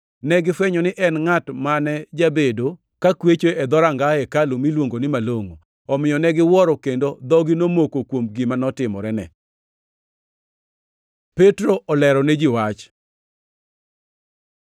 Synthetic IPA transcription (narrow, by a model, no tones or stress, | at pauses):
nɛɡɪfweɲɔnɪʔɛnŋatmanɛd͡ʒabedo | kakwet͡ʃoɛd̪ɔɾaŋɡaɛkalomilwoŋɡonɪmaloŋo | ɔmɪjɔnɛɡɪwɔɾɔkendod̪ɔɡɪnomokokwomɡɪmanɔtɪmɔ̰ɾɛnɛ̰ | petɾoʔɔlɛɾɔnɛd͡ʒɪwat͡ʃ